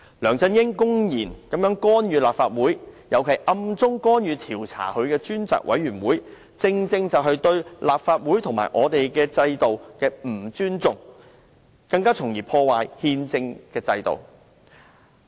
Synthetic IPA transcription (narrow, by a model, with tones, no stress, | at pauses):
lœː˨˩ŋt͡sɐ˧njɪ˥ŋkʊ˥ŋjiː˨˩nkɐ˨˥mjœː˨˥ŋkɔː˥njyː˨˧laː˨pfaː˧t̚wuː˨˥jjɐ˨˧wkʰɐ˨˩jʔɐ˧mt͡sʊ˥ŋkɔː˥njyː˨˧t̪ʰiː˨˩wt͡sʰa̰ː˨˩hɵ˧ɥkɛː˧t͡ʃyː˥nt͡sa̰ː˨˩k̚wʔɐ̰˨˥jɥyː˨˩nwuː˨˥j | t͡sɪ˧ŋt͡sɪ˧ŋt͡sɐ˨wɦɐ˨jt̪ɵ˧ɥlaː˨p̚faː˧t̚wuː˨˥jt̪ʰʊ˨˩ŋma̰ː˨jʔɔ̰ː˨˧t̪e˨jkɛː˧t͡sɐ˧jt̪o˨wkɛː˧m̩˨˩t͡ʃyː˥nt͡sʊ˨ŋ | kɐ˧ŋkaː˥t͡sʰʊ˨˩ŋjiː˨˩pʰɔː˧waː˨jhiː˧nt͡sɪ˧ŋkɛː˧t͡sɐ˧jt̪o̰˨w